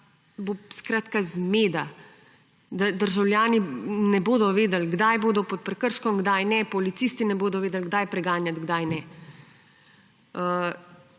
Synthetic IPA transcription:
boskɾaːt̪kazmeːd̪a | d̪ad̪əɾʒawljaːninɛboːd̪ɔʋeːd̪əlɡd̪ajboːd̪ɔpɔt̪̚pɾɛkəɾʃkɔmɡd̪ajnɛpɔlit̪sist̪inɛboːd̪ɔʋeːd̪əlɡd̪ajpɾɛɡaːnjat̪ɡd̪ajnɛ | ə

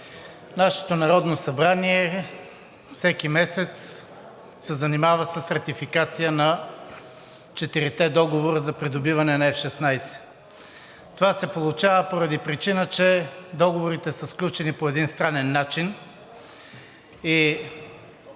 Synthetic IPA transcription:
naʃɛ̥t̪onɐɾɔd̪nosɐbɾaniɛ | fsɛkimɛsɛt̪s | sɛzɐnimavəsəsɾɐt̪ifikat̪sijənɐ | t͡ʃɛt̪iɾit̪ɛd̪ɔɡovoɾəzɐpɾid̪obivɐnɛnɐɛfʃɛsnajsɛ̥ | t̪ovasɛpolˠut͡ʃavəpoɾɐd̪ipɾit͡ʃinət͡ʃɛd̪ɔɡovoɾit̪ɛsəsklʲut͡ʃɛnipoɛd̪inst̪ɾanɛnːat͡ʃin | i

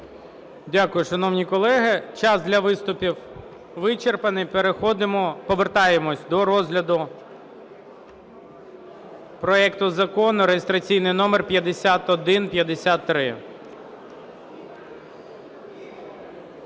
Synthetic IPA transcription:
dʲakʊjʊʃɐnɔwnʲikɔlˠɛɦɪt͡ʃɑzd̪lʲɐʋɪst̪ʊpʲiw | ʋɪt͡ʃerpɐnɪpeɾexɔd̪ɪmɔpɔʋert̪ɑjemɔsʲd̪ɔɾɔzɦlʲɐd̪ʊ | pɾɔɛkt̪ʊzɐkɔnʊɾejest̪ɾɐt͡sʲijnɪjnɔmerpʲjɐd̪esʲat̪ɔd̪ɪnpʲjɐd̪esʲat̪ːɾɪ

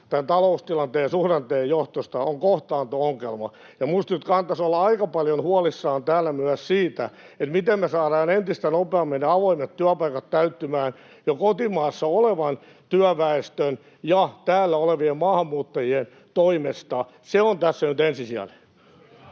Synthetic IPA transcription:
t̪ænt̪ɑloust̪ilɑnt̪eːjɑsuhrɑnt̪eːjjoht̪ost̪ɑoŋkoht̪ɑːnt̪uoŋkelmɑ̰ | jɑmust̪nyt̪kɑnt̪ɑsolːɑɑikɑpɑljonhuɑlisːɑːnt̪æːlːæmyæssiːt̪æ | et̪mit̪emmesɑːɾɑːnent̪ist̪ænopeɑmːenːeɑʋoimet̪t̪yæpɑikɑt̪t̪æyt̪ːymæːn | jokot̪imɑːsːɑoleʋɑn | t̪yæʋæest̪øn | jɑt̪æːlːæoleʋiemmɑːhɑmːuːt̪ːɑjien | t̪oimest̪ɑ | seont̪æsːænyt̪ensisiæ̰le

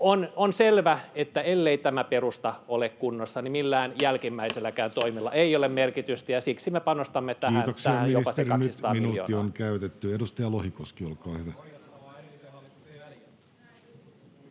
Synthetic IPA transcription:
ononselʋæet̪ːæelːeit̪æmæperust̪ɑolekkunːosːɑnimilːæːnjælkimːæiselːækæːnt̪oimilːɑ̰ʔeiolemmerkit̪yst̪æjɑsiksimepɑnost̪ɑmːet̪æiːæːnoksæiɑhæmmijoisɑserɑnyst̪ɑminuːo̰ioŋkæyt̪et̪ːyedust̪ɑjɑlohikoskiolkɑːhetæ

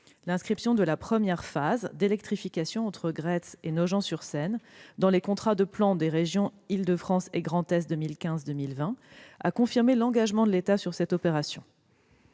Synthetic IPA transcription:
lɛ̃skχipsjɔ̃d̪əlapχəmjɛʁfazd̪elɛk̚t̪χifikasjɔ̃ɑ̃t̪χəɡʁɛsenɔʒɑ̃syʁsɛnd̪ɑ̃lekɔ̃t̪χad̪əplɑ̃d̪eʁeʒjɔ̃ild̪əfχɑ̃seɡʁɑ̃t̪ɛsd̪əmilkʲɛ̃zd̪əmilvɛ̃a̰kɔ̃fiʁmelɑ̃ɡaʒmɑ̃d̪əlet̪asyʁsɛt̪ɔpeʁasjɔ̃

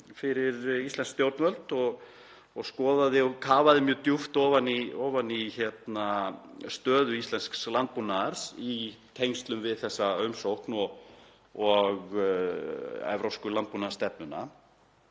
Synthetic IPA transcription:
fɪɾɪɾist̪ɛnskst̪jowɾt̪nvœlt̪ɔɣ | ɔɣskɔːðaðɪɔkʰaːvaðɪmjʏːt̪juft̪ɔːvaniɔːvanːiçɛt̪nast̪œːðʏist̪ɛnskslant̪̚punaɾ̥sit̪ʰejŋst̪lʏmvɪðθɛsːaœɥmsowhknɔɣ | ɔɣ | ɛ̰vɾowskʏlant̪̚punḁst̪ɛp̚nʏna̰

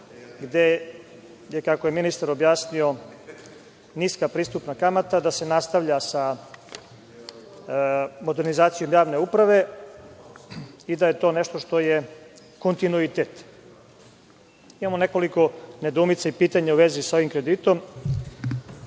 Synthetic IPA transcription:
ɡd̪e | jekakoje̞minist̪aɾobjaːsnio̞ | niskapɾiːst̪upnakamat̪ad̪ase̞nast̪aʋʎasa | mo̞d̪e̞ɾnizaːt̪sijo̞mjaːʋne̞upɾaʋe̞ | id̪aje̞t̪oneʃt̪oʃt̪o̞je | ko̞nt̪inuit̪et̪ | imamo̞ne̞ko̞liko̞ne̞d̪uːmit̪saipiːt̪aɲauʋe̞ziso̞ʋimkɾe̞d̪it̪o̞m

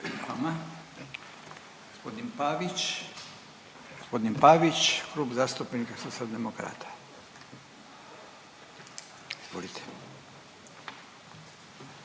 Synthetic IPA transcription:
a̰ma | ɡ̥ospo̞d̪inpaːʋit͡ʃ | ɡ̥ospo̞d̪inpaːʋit͡ɕkɾuːbzaːst̪upenikasoiald̪emokɾa̰ːt̪ʰḁ | iz̥ʋo̰lit̪ʰe̥

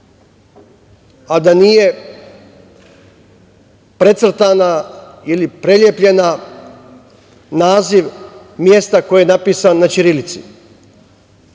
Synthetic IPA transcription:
ad̪anije̞ | pɾe̞t̪sr̩t̪ana | ilipɾe̞ljepʎe̞na | naːziʋ | mje̞st̪ako̞jejenapiːsanːat͡ʃiɾilit̪sḭ

